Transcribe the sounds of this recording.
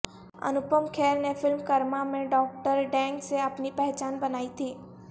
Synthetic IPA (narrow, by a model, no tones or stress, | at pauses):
ɐ̰nʊpəmkʰɛːɾnefɪlmkɐɾmamẽɖɔːk̚ʈəɾɖɛ̃ːŋɡseɐpnipɛɦt͡ʃaːnbɐnaːit̪ʰiː